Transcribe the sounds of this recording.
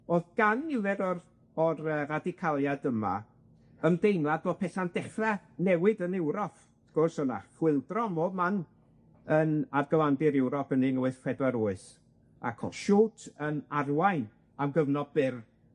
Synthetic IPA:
oðɡ̥anːɪvɛdɔr | ɔɾəːradɪkʰalˠjadəma̰ | əmdejnlˠadvoːð̥̚pʰɛθandɛχɛnɛwɨdənɛwɾɔpʰ | θɡ̥ɔrsɔna̰fwɪlˠdrɔmoːman | ənarɡəwandɪɾɛwɾɔpʰəninuɨθfɛdwɛɾʊːɨs | a̰kʰɔ̰ʃuːtʰənarwajn | amɡəvnɔbɪr

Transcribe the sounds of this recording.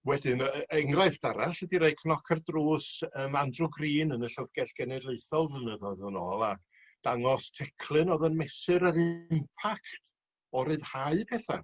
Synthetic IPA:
wɛdɪnɛŋrajfd̥aɾasɛdiɾeɨkʰnɔkʰərdruːsəːmandrɔɡriːnənəɬəvɡ̥ɛɬɡ̥ɛnɛdlˠeɨθɔlˠvənəðɔðənɔːlˠa | d̥aŋɔstʰɛkʰlˠɨnɔðənmɛsɨɾəɾɪmpʰaktʰ | ɔɾɨðhaɨpʰɛːθa̰

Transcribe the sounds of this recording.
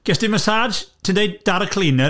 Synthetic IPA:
ɡ̥ɛsd̥iməsaːd͡ʒtʰɪndejd̥aɾəkʰleːnɛ

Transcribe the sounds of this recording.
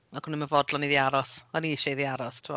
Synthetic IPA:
akʰʊniməvɔdlˠɔniðiaɾɔsɔniɪʃɔiðiaɾɔstʰɪmɔ̰

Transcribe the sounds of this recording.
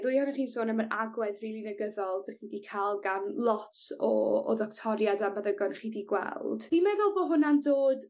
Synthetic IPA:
ðujhɔnaχiːnsoːnəməɾaɡwɛðrilˠinəɡəðɔlˠdəχiːdikʰaːlˠɡanlˠɔtʰɔɔ̰ðɔktʰɔɾjadamaðəɡɔnχiːdiɡwɛ̰lˠd̥imɛvɛlˠboːɦʊnandoːd

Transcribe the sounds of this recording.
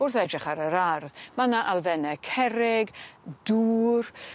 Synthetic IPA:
orθɛdrɪχaɾəɾarðmanaʔalˠvɛnɛkʰɛɾɪɡd̥uːr

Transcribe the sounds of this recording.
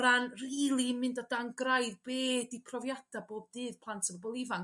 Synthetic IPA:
ɾanriiːlˠimɨndadaŋɡrajðbeːdipʰrɔvjad̥aboːb̚dɨːð̥pʰlˠantʰəvɔbɔlˠɪvaŋ

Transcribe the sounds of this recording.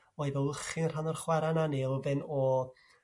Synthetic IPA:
ɔːjðɛwəχɪnr̥anɔrχwɛɾananeəvɛnɔ

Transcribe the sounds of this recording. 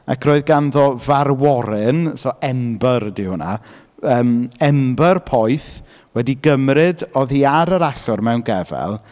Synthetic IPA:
a̰kʰroːɨðɡanðɔvarwɔɾɪnsɔʔɛmbərdihʊna̰ | əːmɛmbərpʰɔjθ | wɛdiɡəmrɨdɔðiːaɾəɾaɬʊrmɛwnɡɛvɛ̰lˠ

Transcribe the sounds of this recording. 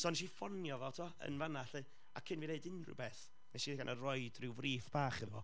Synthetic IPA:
sɔːnʃifɔnjɔvɛlˠtʰuɔə̰nvanaɬɨ | a̰kʰɪnvineɨdɪnrɪ̰wbeːθ | nɛʃiðɡanʔərɔɨdrɪwvriːfb̥aːχɪðvɔ̰

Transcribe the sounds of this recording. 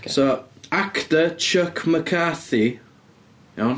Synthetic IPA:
soaktət͡ʃʰəkʰməkʰaθi | ɛwn

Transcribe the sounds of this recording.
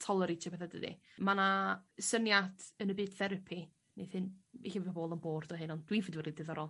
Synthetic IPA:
tʰɔlˠəɾetʰɔpʰeθadədḭ | manasənjadənəbɨːd̥θɛɾəpʰi | nḛθɨniɬavvaboːlˠənboːrdɔɦɨnɔnd̥wivɨdwɛdidɨðɔɾɔlˠ

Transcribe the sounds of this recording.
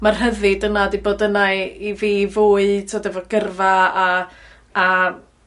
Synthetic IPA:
marɦəðɨdənadiboːdənaiviːvoːɨtʰodɛvɔɡ̥ərvaaː

